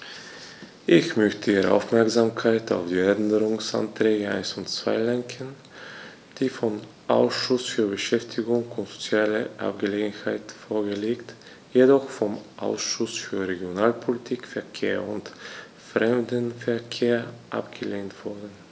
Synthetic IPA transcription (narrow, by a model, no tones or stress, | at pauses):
ʔɪçmœçtʰəiːʁə̰ʔa̰ʊfmɛɐksamkʰaɪta̰ʊfd̥iːɛɛndəʁʊŋsa̰ntʁ̥ɛːɡəa̰ɪnsʊntt͡sv̥a̰ɪlɛŋkʰən | d̥iːfɔm | ʔa̰ʊsʃʊsfyːɐbəʃɛftʰɪɡʊŋʊntz̥o̥t͡sjaːləʔa̰p̚ɡ̥əleːɡn̩haɪtfoːɐɡəleːkt | jedɔχfɔmʔaʊsʃʊsfyːɐʁeɡjonaːlpʰolitʰiːkfɛɐkʰḛːɐʊnt | fʁɛmdənfɛɐkʰeːɐʔa̰pɡ̥əleːntv̥ʊɐdn̩